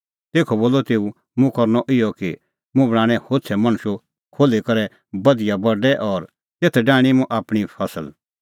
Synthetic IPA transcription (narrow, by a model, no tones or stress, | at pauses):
t̪eːkʰɔboːlɔt̪eːũ | mũkɐɾnɔʔɪjɔki | mũbɽ̃ãːɽ̃ɛ̃hoːt͡sʰɛmɐ̃ñʊʃo | kʰoːlekɐɾɛ | bɐd̪ɪjabɐɖɛʔɔːɾ | t̪eːt̪ʰɛɖaːɽ̃imũʔaːpɽ̃ipʰɐsəl